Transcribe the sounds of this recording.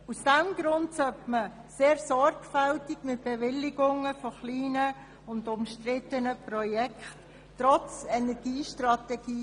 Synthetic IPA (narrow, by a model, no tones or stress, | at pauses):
usd̥ɛmɡɾʊntsœpməseːɾsɔɾɡ̥fɛltɪɡmɪt̚b̥evɪlɪɡʊŋəfoχliːnə | ʊndʊmʃtrɪt̪ənəprɔjɛkχtː | ɾɔt͡sɛnɛɡ̥iːʃtrɑtɛɡiː